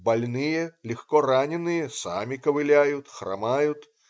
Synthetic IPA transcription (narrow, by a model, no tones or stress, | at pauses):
balʲnɨjɛlʲixkɔranʲɛnɨjɛsa̰mʲikɐvɨlʲajut̪xra̰majut̪